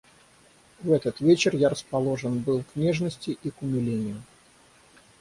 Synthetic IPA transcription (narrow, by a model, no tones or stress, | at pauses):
vɛt̪ət̪vʲet͡ɕɪrjaɾəspɐlˠo̞ʐənbɨlˠknʲeʐnəsʲtʲɪʔikʊmʲɪlʲenʲɪjʊ